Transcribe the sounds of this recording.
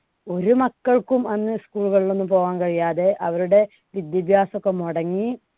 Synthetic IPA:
o̞ɾumɐkːɐɭkumɐnːɨskuːɭuɣɐɭiɭo̞nːumpo̞ːɣaːnkɐɻijaːðe̞ʔɐʋɐɾuɽe̞ | ʋid̪jɐbʱjaːsokːemoɽɐŋːi

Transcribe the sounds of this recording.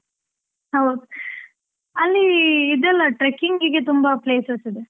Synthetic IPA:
hɐwd̪u | ɐlːiːd̪ɛlːɐʈɾekːiŋɡiɡet̪umbɐpleːsɐsid̪e

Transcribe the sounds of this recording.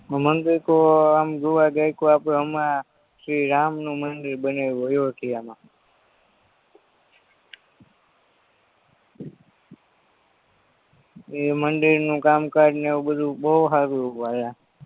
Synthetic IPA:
mənd̪iɾkoamɡuʋaɡajkoapɽẽɦəmã | ʃɾiɾamnũmənɖəɾbəneʋuəjoɦək̪ʰiamã | eməɳɖəɾnũkamkad͡ʒneeobəd̪ʱubowɦaɾualã

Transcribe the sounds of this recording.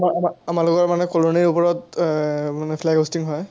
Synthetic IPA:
maamaamalʊkɔɹmanɛkoloniɹupɔɹɔt | manɛpʰlɛɡostiŋɦɔj

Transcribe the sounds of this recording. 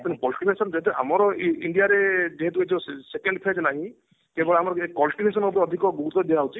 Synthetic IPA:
pinekɔlsʈinesɔnd͡ʒeɦɛt̪̬eʔa̰mɔɾɔiɳɖijaɾed͡ʒeɦet̪̬ued͡ʒɔsekeɳɖpʰed͡ʒnaɦĩ | k̪ebɔɭeamɔɾɔekːɔlsʈinesɔnopɔɾeɔd̪ʱikɔɡuɡɾut̪ɔd̪iaɦut͡ʃʰi

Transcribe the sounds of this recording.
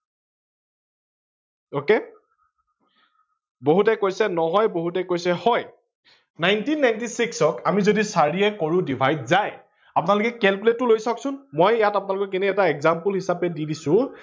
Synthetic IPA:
oke | boɦut̬ɛkojsɛnɔɦɔjboɦutɛkojsɛhɔj | najntinːajntisiksɔkamizodisaɹiɛkoɹʊ̃dibʱajdzaj | apʊnalʊkɛkɛlpletʊlojsaksʊnmɔjjatapʊnalʊkɔk̬inɛːtaɛkzampulɦisapɛdidisʊ̃

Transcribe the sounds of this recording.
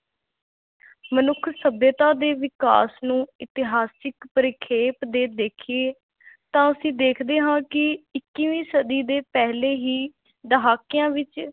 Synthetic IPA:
mənʊkʰsəbjət̪ãːd̪eːʋɪka̰ːsnũːɪt̪ɪɦaːsɪkpəɾɪkʰeːpd̪eːd̪eːkʰieː | t̪ãːəsĩːd̪eːkʰd̪eːɦãːkɪɪkːiʋĩːsəd̪iːd̪eːpɛɦleːɦiː | d̪əɦaːkɪjãːʋɪt͡ʃ

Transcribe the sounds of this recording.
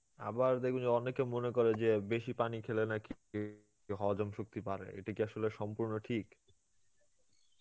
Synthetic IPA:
a̰baɾd̪ekʰund͡ʑeɔnekemonekoɾed͡ʑebeʃipanikʰelenaki | ɦɔd͡ʑomʃuk̚t̪ipaɾḛḛʈakiaʃoleʃɔmpuɾnoʈʰik

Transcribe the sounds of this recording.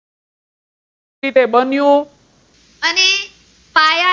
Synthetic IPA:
it̪eɓənjõ | əne | paja

